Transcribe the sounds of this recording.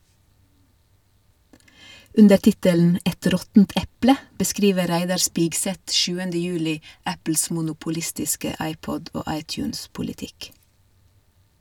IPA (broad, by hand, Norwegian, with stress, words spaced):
ˈʉndə ˈʈɪtələn ˈʔɛt ˈɾɔtnt ˈʔɛplə bəˈskɾiːʋə ˈɾæɪdɑɾ ˈspɪɡsɛt ˈʃʉːəndə ˈjʉːlɪ ˈæpl̩s mʊnʊpʊˈlɪstɪskə ˈɑɪˌpɔd ˈoː ˈɑɪˌtjʉːns pʊlɪˈtɪk